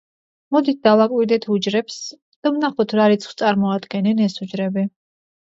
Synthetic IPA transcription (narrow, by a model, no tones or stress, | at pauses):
mɔd̪it̪̚ʰd̪alakʼwiɾd̪ɛt̪ʰud͡ʒɾɛps | d̪̥amnaχɔt̪ʰɾaɾit̪sʰχwst̪sʼaɾmɔad̪ɡɛnɛnɛsud͡ʒɾɛbi